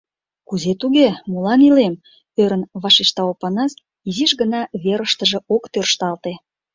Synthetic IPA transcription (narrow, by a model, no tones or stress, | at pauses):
kuzet̪uɣemulɑnilem | øɾə̆nβɑʃiʃt̪ɑopɑnɑs | iziʃɣənɑβeɾəʃt̪əʒĕokt̪ørʃt̪ɑlt̪e